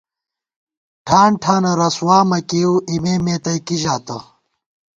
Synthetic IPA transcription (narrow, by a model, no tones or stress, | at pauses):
ʈʰaːɳʈʰaːnɐɾɐswaːmɐkeːwʔimeːmeːt̪ɐjkiʑaːt̪ɐ